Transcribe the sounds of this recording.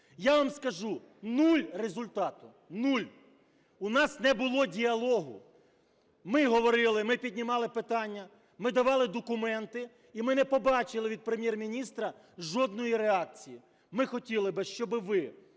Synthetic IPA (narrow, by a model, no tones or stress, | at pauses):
jaʋɐmskɐʒu | nulʲrezʊlʲt̪ɑt̪ʊ | nulʲ | unɑsnɛbʊlˠɔdʲiɐlˠɔɦʊ | mɪɦɔʋɔɾɪlˠɪmɪpʲidʲnʲimɑlˠɪpɪt̪ɑnʲːɐ | mɪd̪ɐʋɑlˠɪd̪ɔkʊmɛnt̪ɪ | imɪnɛpɔbɑt͡ʃɪlˠɪʋʲid̪̚pɾemʲjɛrmʲinʲist̪ɾɐ | ʒɔd̪̚nɔjiɾeɑk̚t͡sʲiji | mɪxɔtʲilˠɪbɪʃt͡ʃɔbɪʋɪ